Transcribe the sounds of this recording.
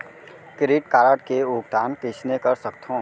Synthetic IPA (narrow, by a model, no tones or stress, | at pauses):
kɪɾɪːʈkaːɾəʈkeuːɡt̪aːnkɪt͡ʃnekəɾsək̚t̪ʰõː